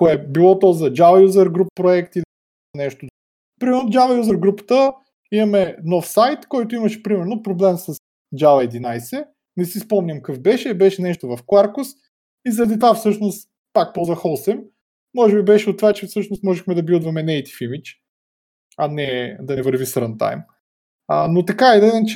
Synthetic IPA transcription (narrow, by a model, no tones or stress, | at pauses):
kʊɛbilˠɔt̪ɔzɐd͡ʒavɐjuzɐɾɡɾupːɾoɛk̚t̪i | nɛʃt̪o | pɾimɛɾnod͡ʒavɐjuzəɾɡɾupə̥t̪ə | imɐmɛnɔfsajt̪kɔjt̪ʊimɐʃɛ̥pɾimɛɾnopɾoblɛmsɐs | d͡ʒavɐɛd̪inajsɛ | nɛsispɔmɲʲɐmkɤfbɛʃɛbɛʃɛnɛʃt̪ovɐfklˠaɾkʊs | izɐd̪it̪vafsɤʃnost̪ | pak̚pɔzɐxɔsɛmː | ɔʒɛbibɛʃɛot̪ːovat͡ʃɛfsɤʃnost̪mɔʒɛxmɛd̪ɐbiɔd̪vɐmɛnɛjt̪i̥fimit͡ʃ | ɐnɛd̪ɐɛvəɾvisɾənt̪a̰jm | ənot̪ɐkaɛd̪ɛnɛnt͡ʃ